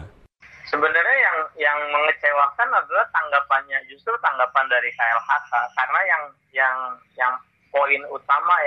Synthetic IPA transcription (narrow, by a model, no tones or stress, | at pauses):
səbənarɲajaŋjaŋməŋət͡ʃewakanadulat̪aŋɡapanɲad͡ʒust̪ɾut̪aŋɡapandaɾikaɛlhakakarənajaŋ | jaŋ | jaŋ | poɪnut̪ama